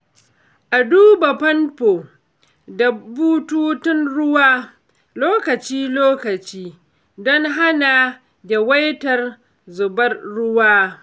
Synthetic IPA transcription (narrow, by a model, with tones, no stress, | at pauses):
ʔa˨duː˦ba˨pɐ˦npoː˨ | da˨buː˦tuː˦tɪ˦nɽʊ˦waː˦ | loː˦kɐ˨t͡ʃiː˦loː˦kɐ˨t͡ʃiː˦ | dɔ˦ŋɦa˦na˨ | ɡʲɛ˨wɐ˦jtɐ˨r | zʊ˨bɐ˦rːʊ˦waː˦